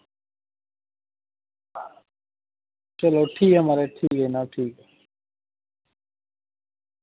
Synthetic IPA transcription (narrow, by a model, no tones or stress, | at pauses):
t͡ʃɐloːʈʰiːkɦəmaɾeʈʰiːkeːnaʈʰiːke